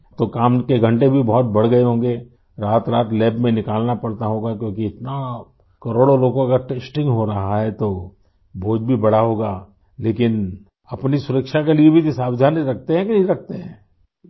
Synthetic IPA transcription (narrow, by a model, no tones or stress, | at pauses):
t̪okaːmkeɡʱɐ̃ɳʈebʱibɔɦɔt̪̚bɐɽ̤ɡɐeɦõːŋɡe | ɾaːt̪ɾaːt̪lɛːbmẽnɪkaːlnapɐɽt̪aɦoːɡakjõːkiɪt̪na | kɐɾoːɽoloːɡõɐkəɾʈeːsʈɪ̃ŋɡɦoɾɐɦaɦɛt̪o | bʱoːd͡ʒbʱibɐɽ̤aɦoːɡaː | leːkɪn | ɐpnisʊɾəkʃakeliebʱit̪esaːbd͡ʒ̪ʱaːnɾɐk̚ʰt̪eɦɛ̃kiĩɾɐk̚ʰt̪eɦɛ̃ː